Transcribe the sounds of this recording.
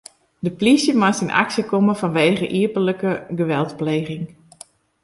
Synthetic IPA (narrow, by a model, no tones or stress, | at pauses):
dəplisjəmasinʔa̰ksəkoməvɔnʋeːɣəʔiəpələkəɡəʋɛlˠtpleːɣɪŋ